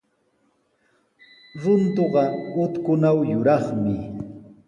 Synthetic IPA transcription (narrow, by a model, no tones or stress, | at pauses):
ɾʊnt̪oɢɑʊt̪kʊnawjʊɾɑχmɪ